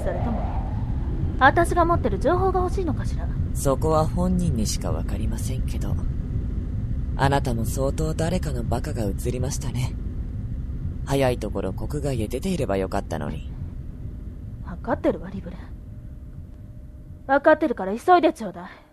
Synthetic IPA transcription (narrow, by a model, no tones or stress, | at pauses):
aɾɯt̪omo | at̪aɕiɡamo̞t̪ːe̞ɾɯ̟d͡ʑo̞ːɦo̞ːɡahoɕiːno̞kaɕiɾaso̞ko̞βahõ̞ɲ̟ːĩɲ̟ːiɕi̥ka̰βa̰kaɾʲimasẽ̞ŋke̞d̪o̞̰ | a̰nat̪amo̞so̞ːt̪o̞ːd̪aɾe̞kano̞bakaɡaɯ̟t͡sɨɾʲimaɕi̥t̪ane̞ | hajait̪o̞ko̞ɾʔo̞ko̞kɯ̟ɡaided̪e̞t̪e̞iɾe̞bajo̞kat̪ːa̰no̞̰ɲ̟ḭ | βakat̪ːe̞ɾɯ̟βaɾʲibɯ̟ɾe | βakat̪ːe̞ɾɯ̟kaɾaiso̞id̪e̞t͡ɕo̞ːd̪a